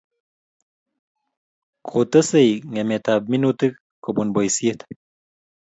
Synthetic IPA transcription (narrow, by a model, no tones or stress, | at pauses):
kʰot̪ɐsɐjŋemet̪aːb̚minut̪ik | kobunbojsiet̪